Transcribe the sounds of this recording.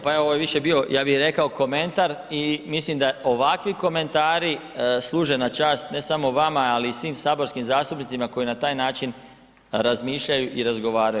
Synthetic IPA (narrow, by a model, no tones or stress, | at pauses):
paeooʋojeʋiʃe̞bio̞jaːbixɾe̞kaoko̞me̞nt̪aɾimislimd̪aʔo̞ʋakʋiko̞me̞nt̪aːɾi | slˠuːʒe̞nat͡ʃaːst̪ne̞samo̞ʋamaaliːsʋiːmsaːbo̞ɾskimzaːst̪upnit̪simako̞jinat̪aːjnaːt͡ʃin | ɾazmiːʃʎajuʔiɾazɡo̞ʋaːɾaju